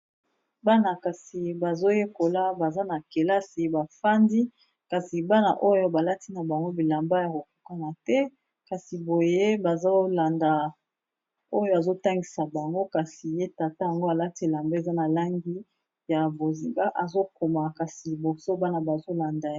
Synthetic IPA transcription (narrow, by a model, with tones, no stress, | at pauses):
ba˦na˨ka˨si˨ba˨zo˦je˦ko˨la˦ba˨za˦na˨ke˨la˦si˨ba˨fa˦ndi˦ | ka˨si˨ba˦na̰˨ʔo˦jo˦ba˨la˦ti˦na˨ba˨ŋɡo˦bi˨la˨mba˦ja˨ko˨ku˦ka˦na˨tɛ˦ | ka˨si˨bo˨je˦ba˨za˦la˨nda˨ | o˦jo˦a˨zo˦ta˦ŋɡi˨sa˨ba˨ŋɡo˦ka˨si˨je˦ta˨ta˦ja˨ŋɡo˦a˨la˦ti˦e˨la˨mbe˦˨za˦na˨la˦ŋɡi˦ | ja˨bo˨zi˨ŋɡa˦ʔa˨zo˦ko˨ma˨ka˨si˨bo˨so˦ba˦na˨ba˨zo˦la˨nda˨